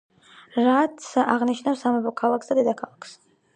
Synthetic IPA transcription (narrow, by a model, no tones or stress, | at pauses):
ɾat̪sʰaʁniʃnafsːamɛbɔkʰalˠakʰsd̪ad̪ɛd̪akʰalˠakʰs